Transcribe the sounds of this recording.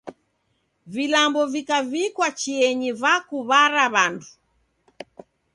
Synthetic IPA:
vilambɔvikavikwat͡ʃiɛɲivakuβaɾaβandu̥

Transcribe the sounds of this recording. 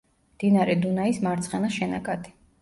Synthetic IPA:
md̪̥inaɾɛd̪unaismaɾt̪sʰʼχɛnaʃɛna̰kʼad̪i̥

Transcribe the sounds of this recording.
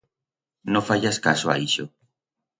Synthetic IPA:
nõfaʎaskasoa̰iʃo

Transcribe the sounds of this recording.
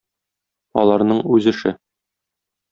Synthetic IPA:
ɒ̰lˠɑɾnɤɴʉzɘ̆ʃɘ

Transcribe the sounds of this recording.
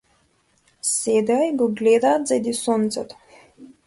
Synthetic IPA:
sɛd̪ɛaiɡɔɡlɛd̪aːt̪zad̪isɔnt̪sɛt̪ɔ̥

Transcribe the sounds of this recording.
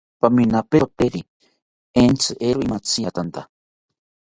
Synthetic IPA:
paminapeot̪eɾi | ent͡sɨʔeɾoimat͡sijat̪ant̪a

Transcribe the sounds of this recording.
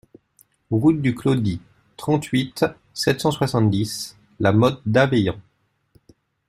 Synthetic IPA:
ʁut̪̚d̪yklod̪i | t̪χɑ̃t̪ɥit̪ | sɛt̪sɑ̃swasɑ̃t̪d̪is | lamɔt̪̚d̪avɛjɑ̃

